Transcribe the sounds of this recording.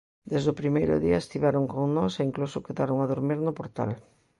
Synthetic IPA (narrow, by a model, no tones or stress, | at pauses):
d̪ezðʊpɾimejɾʊ̰ðiɐest̪iβaɾoŋkoŋnɔseiŋklusʊkeðaɾoŋaðoɾmiɾnʊpoɾt̪a̰l